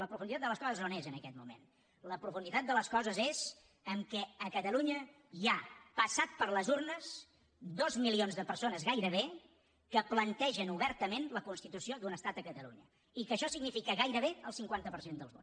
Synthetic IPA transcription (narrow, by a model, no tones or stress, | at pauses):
ləpɾufund̪it̪at̪d̪ələskɔzəznonezənəkɛt̪mumḛn | ləpɾufund̪it̪at̪̚d̪ələskɔzəzez | əmkɛəkət̪əluɲə | japəsat̪̚pəɾləzurnəs | d̪ozmilionzðəpəɾsonəzɣajɾəβ̞e | kəplənt̪ɛʒənuβɛɾt̪əmenləkunst̪it̪usiod̪unəst̪at̪əkət̪əlṵɲə | ikəʃɔsiɡnifikəɣajɾəβ̞eəlˠsiŋkwant̪əpəɾsend̪ə̰lˠzβo̰